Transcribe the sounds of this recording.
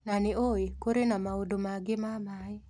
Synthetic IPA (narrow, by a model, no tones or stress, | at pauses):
nanɪoekoɾenamaodomaɡɪmamaɛ